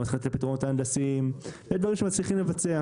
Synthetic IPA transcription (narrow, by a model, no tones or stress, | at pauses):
at̪χalt̪lapit̪ʁnotaandasimed̪vaʁimʃemat͡sliχimlevat͡sea